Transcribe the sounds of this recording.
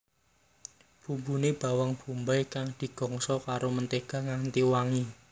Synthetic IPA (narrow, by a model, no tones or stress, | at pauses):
b̥ṳmbuneb̥a̤waŋb̥ṳmbajkaŋd̪̥i̤ɡ̥ɔ̤ŋsɔkaɾomənt̪eɡ̥a̤ŋaŋt̪iwaŋi